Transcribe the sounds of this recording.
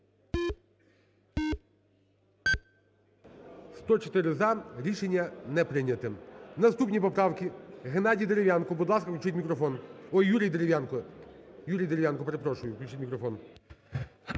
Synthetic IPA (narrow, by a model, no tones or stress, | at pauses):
st̪ɔt͡ʃɔ̥t̪ɪɾɪzɑɾʲiʃenʲːɐnɛpɾɪnʲɐt̪ɪnɐst̪upnʲipɔpɾɑwkʲiɦenɑdʲijd̪eɾeʋjankɔbud̪lˠɑskɐklʲʊt͡ʃɪtʲmʲikɾɔfɔnɔjuɾʲijd̪eɾʲeʋʲjnkɔjuɾʲijd̪eɾʲeʋʲjankɔpeɾepɾɔʃʊjʊʋklʲut͡ʃɪtʲmʲikɾɔfɔn